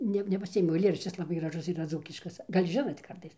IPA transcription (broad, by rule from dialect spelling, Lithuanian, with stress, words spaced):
ˈnʲɛ nʲɛpɐˈsʲɪeːmʲɛʊ ɐɪˈlʲeːrɐʃʲt͡ʃʲɪs lˠɐˈbɐɪ ɡrɐˈʒʊs iːˈrɐ ˈd͡zuːkʲɪʃkɐs ˈɡɐlʲ ˈʒʲɪnoːtʲ ˈkɐrtɐɪs